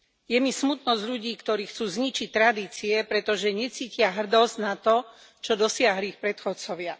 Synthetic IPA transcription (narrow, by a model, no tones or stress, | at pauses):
jɛmismut̪nɔzʎuɟiːkt̪ɔɾiːxt͡suːzɲit͡ʃic̚t̪ɾad̪iːt͡siɛpɾɛt̪ɔʒɛɲɛt͡siːcɪaɦr̩d̪ɔznat̪ɔ | t͡ʃɔd̪ɔsɪaɦliːxpɾɛt̪xɔt͡sɔʋɪa